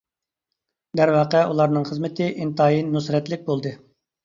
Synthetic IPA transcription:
d̪æɾwɑːqɛʔulˠɑɾnɨŋχəzmɪt̪ʰɪʔint̪ʰɑːinːusɾɛt̪lɪk̚ʲbolˠd̪ɨ

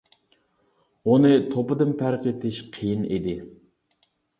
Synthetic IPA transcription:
unɨt̪ʰopɨd̪ɨnpʰæɾqet̪ʰɪʃqʰijinḭd̪ɪ

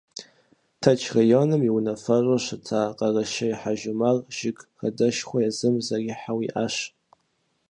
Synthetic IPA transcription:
tʰat͡ʃʰrajonɨmiwnafarʷaʃʷatʰaqʼaraʃajħaʒʊmarʒ̥ɪɡʼχadɨʃχʷajazɨmzariħawiʔaʃ

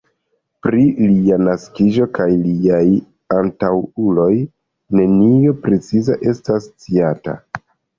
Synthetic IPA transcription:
pɾilianaskid͡ʒo̞kajliaj | antawulo̞j | ne̞nio̞pɾe̞t͡sizaʔe̞stast͡siata̰

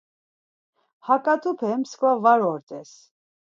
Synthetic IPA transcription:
hakʼat̪ʼupʰɛmskvavaɾɔɾt̪ʼɛs

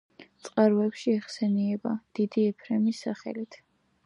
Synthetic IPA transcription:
t̪sʼqʼaɾvɛpʃiɛχsɛniɛbad̪̥id̪iɛpʰɾɛmisːaχɛ̰lit̪ʰ

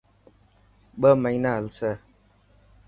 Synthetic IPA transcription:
ɓəmɛɲnalsə

